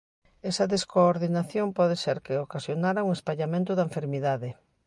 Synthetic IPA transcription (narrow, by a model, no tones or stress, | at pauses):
ɛsɐðeskoːɾðinaθjompɔðeseɾkeokasjonaɾauŋespaʎamẽnt̪ʊðaẽɱfeɾmiðaðɪ